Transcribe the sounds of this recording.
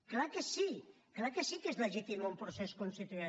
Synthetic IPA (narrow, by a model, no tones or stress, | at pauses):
klakesi | klakesikezleʒit̪imumpɾoseskonst̪it̪ue